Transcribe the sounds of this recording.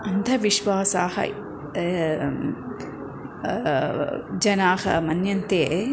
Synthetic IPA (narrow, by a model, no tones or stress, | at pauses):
ɐnd̪ʱɐʋiʃʋaːsaːhɐ̰ | d͡ʒɐnaːhɐ̰mɐnjɐnt̪eː